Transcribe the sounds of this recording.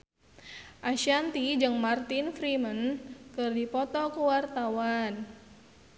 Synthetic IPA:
ʔaʃant̪id͡ʒɨŋmart̪infɾimənkɨrdipɔt̪ɔkəwart̪awan

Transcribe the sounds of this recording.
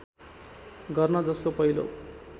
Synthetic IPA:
ɡʌrnʌd͡zʌskopʌɦilo̰

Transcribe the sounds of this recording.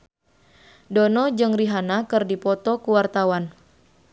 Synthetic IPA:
dɔnɔd͡ʒɨŋriɦanakɨrdipɔt̪ɔkuwart̪awan

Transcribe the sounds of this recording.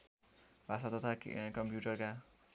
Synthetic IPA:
bʱasat̪ʌt̪ʰa̰kʌmpjuʈʌrka

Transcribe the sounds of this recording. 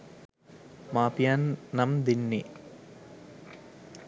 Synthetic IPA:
maːpijanːɐmd̪inːi

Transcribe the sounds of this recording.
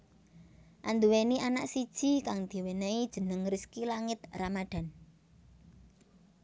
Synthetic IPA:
ʔand̪uweniʔanaʔsid̥ʒ̥i̤kaŋd̪̥i̤wenaid̥ʒ̥ə̤nəŋriskilaŋɪt̪̚ramaɖ̪̥a̤n

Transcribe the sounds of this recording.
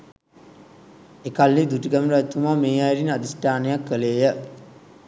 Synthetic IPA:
ekalːid̪uʈiɡæməɾæt̪umameːajɾinad̪isʈaːnejakːəleːjə

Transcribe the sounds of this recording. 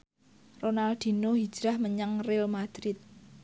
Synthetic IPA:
ronald̪̥i̤noɦi̥d͡ʒ̥ɾahməɲəŋrɪlmad̪̥ɾɪt̪̚

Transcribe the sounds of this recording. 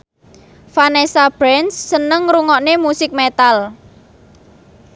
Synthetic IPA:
fanesab̥ɾɛnsːənəŋɾuŋɔʔnemusɪk̚met̪al

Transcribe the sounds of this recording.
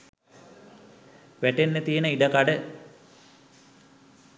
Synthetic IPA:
ʋæʈenːet̪ijenəiɖəkaɖə

